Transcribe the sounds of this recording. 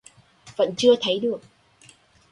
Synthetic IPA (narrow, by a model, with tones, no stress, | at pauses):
və̰˧˥nt͡ɕɨ˧ət̪ʰə˨˦jɗɨ˨˩ək̚